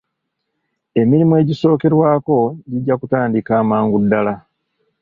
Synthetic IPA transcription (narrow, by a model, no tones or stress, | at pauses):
e̞miɾimue̞ɟiso̞ːke̞ɾwaːko̞ɟiɟːakutaːndikaːmaːŋɡudːala